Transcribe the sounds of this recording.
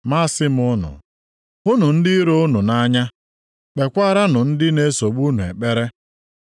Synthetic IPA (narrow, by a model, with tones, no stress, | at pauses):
ma˦sɪ˦m˨ʊ˦nʊ̰˨ | ʊ˦nʊ˨n̩˦dɪ˦ɾo˦ʊ˦nʊ˨na˦ɲa˦ | k͡pe˨kʷa˦ɾa˦nʊ˨n̩˦dɪ˦ne˦so˨ɡ͡bu˦nu˨ḛ˨k͡pe˦ɾe˦